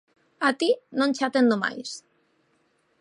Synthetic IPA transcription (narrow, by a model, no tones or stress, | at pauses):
at̪inõnʲt͡ʃat̪end̪oma̰js